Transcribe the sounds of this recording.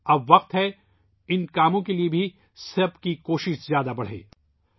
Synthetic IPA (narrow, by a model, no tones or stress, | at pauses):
ɐbʋɐq̚t̪ɦɛ | ɪnkaːmõkeliebʱi | sɐɾbkikoːʃɪʃzjaːd̪abɐɽ̤ḛː